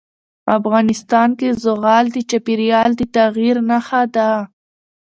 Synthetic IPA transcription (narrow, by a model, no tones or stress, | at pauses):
afɣɑnɪst̪ɑnkezʊɣɑld̪ət͡ʃapiɾjɑld̪ət̪aɣiɾnaxad̪a